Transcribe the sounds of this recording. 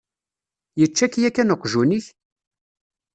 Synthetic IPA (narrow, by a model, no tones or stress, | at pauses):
jət͡ʃːækjækːænoqːʒuniç